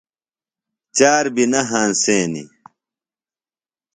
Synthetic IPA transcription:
t͡ɕaːɾbinɐɦaːnseːnḭ

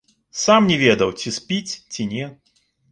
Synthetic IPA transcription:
samnʲɛvʲɛd̪ɐwt͡sʲispʲit͡sʲt͡sʲinʲɛ

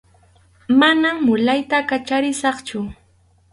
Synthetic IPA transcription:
manamːʊlajt̪akat͡ʃaɾɪsɑχt͡ʃʊ

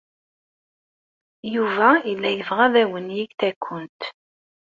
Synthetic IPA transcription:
juvæilːæjəvʁæðæwənjiɡθækʷʰːʊnt̪

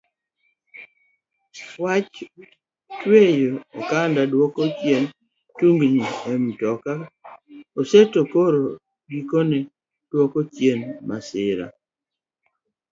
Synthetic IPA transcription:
wat͡ʃ | twejookandadwɔkot͡ʃjen | tuŋɡɲiɛmtɔka | osetokoɾo | ɡikone | d̥wɔkot͡ʃjenmasɪɾa̰

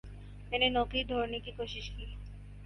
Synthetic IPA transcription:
t̪enenokid̪ʱoɾnikikoʃiʃkil

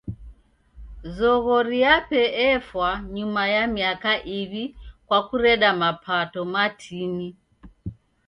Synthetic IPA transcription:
zɔɣɔɾiapɛɛfwaɲumajamiakaʔiβikwakuɾɛɗamapʰatɔmatʰini

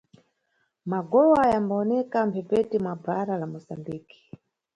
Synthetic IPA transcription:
maɡɔwajambaɔnɛkam̩pʰɛpɛtimabaɾalamɔsambiːki̥

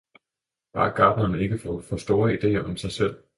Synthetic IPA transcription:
b̥ɑ̈ɡ̥ɑ̈ːd̥nɐne̝ɡ̥əfɒfɒ̽sd̥o̝ːɐid̥e̝̰ːɐʔɒ̽msɑ̈ɪsel̰

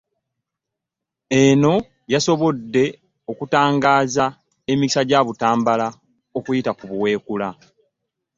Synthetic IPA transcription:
e̞no̞ | jaso̞βo̞dːe̞ | o̞kutaːŋɡaːza | e̞miksaɟaːβutaːmbala | o̞kujitakuβuwe̞ːkula

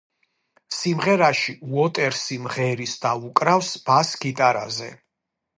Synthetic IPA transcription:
simʁɛɾaʃiuɔt̪ʼɛɾsimʁɛɾisd̪̥aukʼɾafsb̥asɡit̪ʼaɾa̰zɛ̰

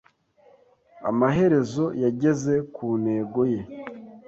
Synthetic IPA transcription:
a̰maɦe̞ɾe̞zo̞jaɟe̞ze̞kuːne̞ːɡo̞je̞

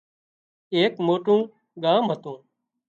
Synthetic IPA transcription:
eːkmoːʈũː | ɠaːmɦət̪ũː

